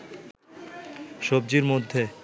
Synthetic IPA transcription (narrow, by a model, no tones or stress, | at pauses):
ʃob̚d͡ʑiɾmod̪ʱːe